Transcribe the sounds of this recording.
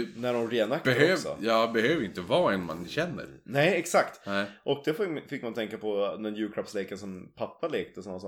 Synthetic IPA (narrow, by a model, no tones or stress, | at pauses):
næɖɔmɾeːnakːbɛhøːsɔ̰jɑːbɛhøːvəɾɪnt̪əvɑːɛnma̰nɕɛnːə̰ɾnɛɪɛksakt̪ʔɔk̚d̪ɛffɪkːmant̪ɛŋkapʰɔnɛnjʉ̟ːkʰɾapslɛːkasɔmpʰapːaleːk̚t̪əsɔnːasɔː